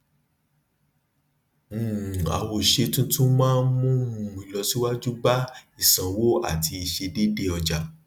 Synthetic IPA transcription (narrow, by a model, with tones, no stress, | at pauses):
a̰˨wo˨ʃe˧tũ˦tũ˦mãː˦mũ˦ũ˧˨i˨˧lɔ˧si˦wa˦d͡ʒu˦ba˦i˦˨sã˨wo˦a̰˦˨ti˧i˧ʃe˧de˦de˦ɔ˧d͡ʒa˨